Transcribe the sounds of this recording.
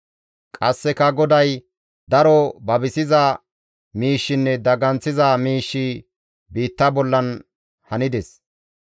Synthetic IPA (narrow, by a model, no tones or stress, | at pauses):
kʼɐsːɛkɐɡɔd̪ɐj | d̪ɐɾɔbɐbɪsɪzɐ | miːʃːɪnːɛd̪ɐɡɐnt͡sːɪzɐmiːʃːi | biːt̪ːɐbɔlːɐn | hɐnɪd̪ɛs